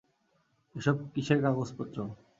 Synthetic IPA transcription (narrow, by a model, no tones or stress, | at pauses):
eʃɔb̚kit͡ɕʰeɾkaɡospot̪ːɾo